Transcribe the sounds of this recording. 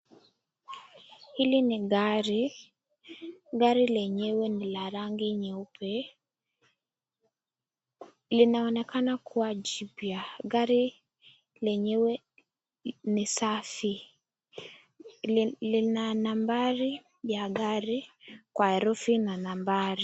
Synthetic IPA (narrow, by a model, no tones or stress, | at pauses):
hilinɪɡaɾi | ɡaɾilɛɲewenɪlaɾaŋɡiɲeopʰe | lɪnaɔnɛkanakʰuad͡ʒibjaɡaɾi | lɛɲewe | nɪsafi | lɪnanambaɾi | jaɡaɾikwaɛɾufinanambaɾi